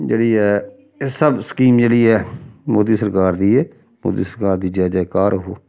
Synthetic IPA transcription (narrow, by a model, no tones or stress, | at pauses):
d͡ʒeːɽiːɛː | səbsə̥kiːmd͡ʒeːɽiːɛːmoːd̪iːsəɾkaːɾd̪iːɛː | mo̰ːd̪ḭːsəɾkaːɾd̪iːd͡ʒɛːd͡ʒɛkaːɾɦo̰ː